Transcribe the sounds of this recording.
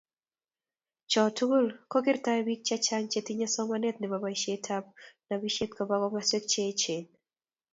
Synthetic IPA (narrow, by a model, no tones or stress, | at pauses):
t͡ʃɔtuɡolkɔkɪrtaɛbik̚t͡ʃat͡ʃaŋt͡ʃetiɲasɔmanɛt̪̚nɪbabaiʃetʰap̚nabiʃet̪̚kɔbakɔmaswek̚t͡ʃet͡ʃeɲ